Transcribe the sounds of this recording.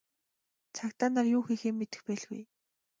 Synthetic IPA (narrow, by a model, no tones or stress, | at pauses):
t͡sʰakt̪aːnaːrjʊːxiːxeːmːet̪ɘ̆xpæːɮɣṵj